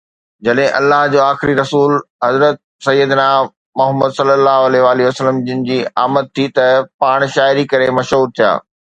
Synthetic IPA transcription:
d͡ʑɐɗɦɪ̃ʔɐ̰lːaːɦd͡ʑoːaːxɪɾiɾɐsuːlɦɐzɾət̪̚ | sɐjːəd̪naː | mɐɦəməd̪sɐlːəlːaːɦɐleɦʋaːliʋɐsələmd͡ʑɪnɪ̆d͡ʑiːa̰ːmət̪̚t̪ʰːit̪ɐpaːɽ̃ʃaːɪɾikɐɾemɐʃɦuːɾt̪ʰija̰ː

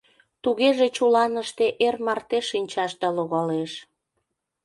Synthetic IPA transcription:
t̪uɣeʒet͡ɕulɑnəʃt̪eʔermɑrt̪eʃːinʲt͡ɕɑʃd̪ɑloɣɑleʃ

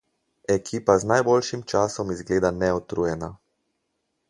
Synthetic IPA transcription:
ɛkʰiːpaznajbolʃimt͡ʃaːsɔmizɡleːd̪anɛɔt̪ɾuːjɛna

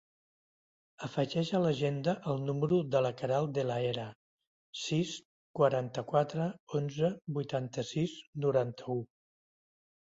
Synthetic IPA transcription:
əfəʒɛʒələʒend̪əʔəlˠnuməɾuðələkəɾalˠd̪ələeɾə | sis | kwəɾant̪əkwat̪ɾəonzəbujt̪ant̪əsiznuɾant̪ʰəu

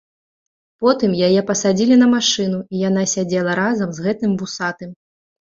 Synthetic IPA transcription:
pɔt̪ɨmjajɛpɐsad͡zʲilʲinɐmaʂɨnuijanasʲad͡zʲɛlˠɐɾazɐmzɣɛt̪ɨmbusat̪ɨm

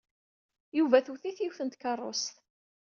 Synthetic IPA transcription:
juvæθuθiθjiwθənt̪kɑrˤːo̰st̪

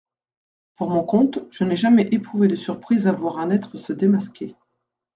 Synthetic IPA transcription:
puʁmɔ̃kɔ̃t̪ʒ̥ənɛʒamɛʔepχuved̪əsyʁpχizavwaʁɛ̃nɛt̪χəsəd̪emaskʲe

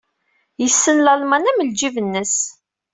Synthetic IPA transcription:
jəsːənlɑlmɑnæməld͡ʒivənːəs

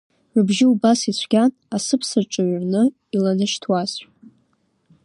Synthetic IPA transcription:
rɨbʒɪubasit͡ɕʷʰɡʲan | asɨpʰsaʈ͡ʂʼɨɥrnɨ | ilanɨʃtʰwaz

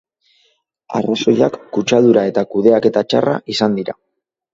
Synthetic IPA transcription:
a̰raso̞ʎakːut͡ʃaðuɾae̞t̪akuðe̞ake̞t̪at͡ʃa̰ra̰ʔisand̪iɾa̰

